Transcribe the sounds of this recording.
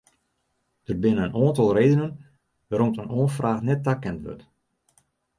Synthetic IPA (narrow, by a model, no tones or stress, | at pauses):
d̥ərbɪnəənʔoːəntɔlˠreːdənən | ʋaɾomtənoːənfraːxnɛt̚ːakɛntʋø̰t